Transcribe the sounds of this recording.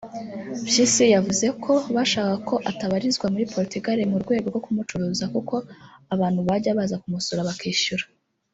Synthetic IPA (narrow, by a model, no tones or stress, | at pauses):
bʒisijavuze̞kʰo̞βaʃaːkako̞ʔataβaɾizɡwamuɾipo̞ɾitiɡaɾemuɾɡwe̞ːɡo̞ɾɡo̞kumut͡ʃuɾuːzakuko̞aβaːn̥huβaɟaβazakumusoɾaβakiːʃuɾḁ